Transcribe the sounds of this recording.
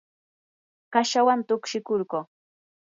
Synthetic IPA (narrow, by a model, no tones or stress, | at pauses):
kaʃawant̪ʊkʃɪkʊɾɢoː